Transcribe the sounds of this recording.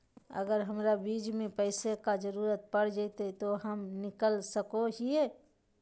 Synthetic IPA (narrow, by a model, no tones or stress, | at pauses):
ə̰ɡəɾɦəmɾabiːd͡ʒmẽpəɪsekad͡ʒəɾuːɾət̪̚pəɽ̤d͡ʒəɪt̪et̪oɦəmnɪkəlsəkoɦie